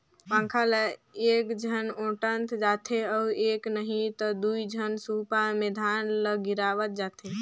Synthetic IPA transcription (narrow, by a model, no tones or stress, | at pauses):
pãːŋkʰaləeːkd͡ʒʱənõːʈənt̪d͡ʒaːt̪ʰeɔːeːknəɦĩt̪əd̪uid͡ʒʱənsupamed̪ʱaːnləɡiɾaːʋət̪̚d͡ʒaːt̪ʰe